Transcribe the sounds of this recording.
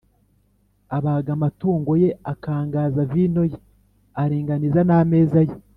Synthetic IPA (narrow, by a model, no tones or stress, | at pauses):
aβaɡamatuːŋɡo̞je̞akaːŋɡaːzaviːno̞je | aɾiːŋɡanizaname̞ːzaje